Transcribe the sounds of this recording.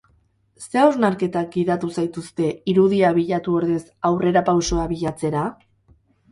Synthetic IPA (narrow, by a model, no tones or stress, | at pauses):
se̞aoznaɾke̞t̪ak̚ɡiðat̪usajt̪ust̪e̞iɾuðiaβiʎat̪uo̞ɾðesawre̞ɾapawso̞aβiʎat͡se̞ɾa